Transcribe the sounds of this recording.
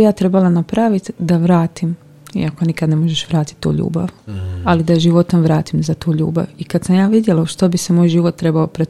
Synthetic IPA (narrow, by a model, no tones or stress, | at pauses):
jaːt̪ɾe̞balˠanapɾaʋit̪d̪aʋɾaːt̪im | ḭakonikad̪ne̞moʒeʃʋɾaːt̪i̥t̪ːṵːʎṵːba̰ʋalid̪aʒiʋo̞t̪omʋɾaːt̪imzat̪uːʎṵːba̰ʋikat̪samjaːʋid̪je̞laʃt̪o̞bise̞mojʒiːʋo̞t̪ːɾe̞baopɾet̪